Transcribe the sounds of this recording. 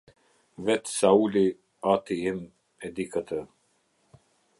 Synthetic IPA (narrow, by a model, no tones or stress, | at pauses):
vɛt̪sauli | at̪iim | ɛd̪ikət̪ə